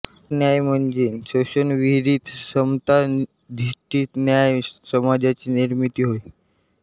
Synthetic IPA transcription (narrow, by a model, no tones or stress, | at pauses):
njajm̤əɳd͡ʑensəɕənʋiɦɾiːt̪səmt̪a | d̪ʱiʂʈiːt̪njajsəmad͡ʑat͡ɕiːniɾmit̪iːɦoj